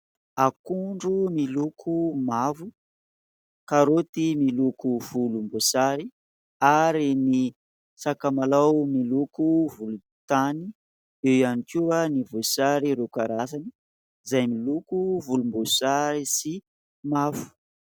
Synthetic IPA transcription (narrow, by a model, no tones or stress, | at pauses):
akuɳɖ͡ʐumilukʰumavu | kaɾot̪imilukuv̥ulumbosaɾi | aɾini | sakamalawmilukuvulu | t̪ani | ewjanikuanivosaɾiɾokaɾasani̥ | zajmilukuvulumbosaɾisi | mavu̥